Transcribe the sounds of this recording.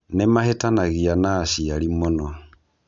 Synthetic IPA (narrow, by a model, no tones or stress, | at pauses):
nemahetanaɣianasialimonɔ